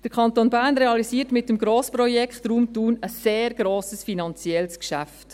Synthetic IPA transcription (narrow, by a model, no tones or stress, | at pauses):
d̥əɾkʰɑntonbæːɾnreɑlisiːtmɪtːəmɡɾoːspɾɔjɛkχtruːmtuːnəsːeːɾɡ̥ɾoːsəsfinɑnt͡sjɛlskʃæft